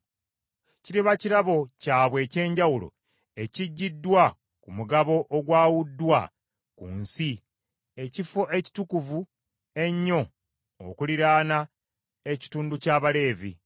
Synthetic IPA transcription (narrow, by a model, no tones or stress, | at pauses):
ciɾiβaciɾaβo̞caːβwe̞ːce̞ːɲɟawulo̞̰ | e̞ciɟːidːwa | kumuɡaβo̞ʔoɡwaːwudːwa | kṵnsi | e̞cifoʔe̞ci̥tukuvu | e̞ɲːo̞ | o̰kuliɾaːna | eci̥tuːnducaːβale̞ːvḭ